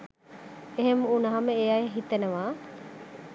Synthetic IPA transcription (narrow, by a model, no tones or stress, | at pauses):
eɦemunɐɦɐmeejajeɦit̪ːenɐʋaː